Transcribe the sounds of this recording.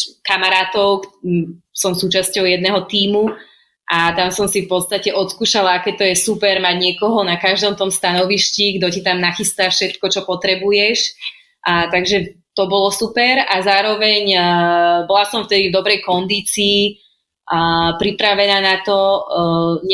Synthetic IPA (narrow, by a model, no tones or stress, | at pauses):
kamaɾaːt̪ɔʊk | sɔmsuːt͡ʃascɔʊjɛd̪̚nɛɦɔt̪iːmu | ʔat̪amsɔmsifpɔt̪st̪acɛʔɔt̪skuːʃalaakɛt̪ɔjɛsupɛɾmaɟɲɪɛkɔɦɔnakaʒd̪ɔmt̪ɔmst̪anɔʋiʃciɡd̪ɔcit̪amnaxist̪afʃɛt̪kɔt͡ʃɔpɔt̪ɾɛbujɛʃ | ʔt̪aɡʒɛt̪ɔbɔlɔsupɛɾazaːɾɔʋɛɲ | bɔlasɔmft̪ɛd̪ivd̪ɔbɾɛjkɔnd̪iːt͡siː | əpɾipɾaʋɛnaːnat̪ɔ | ɲ